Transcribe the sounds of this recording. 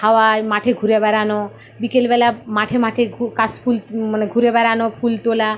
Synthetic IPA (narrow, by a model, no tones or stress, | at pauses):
haoamaʈʰeɡʱuɾebɛɾano | bikelbɛlamaʈʰemaʈʰeukaspʰulmaneɡʱuɾebɛɾanofult̪ola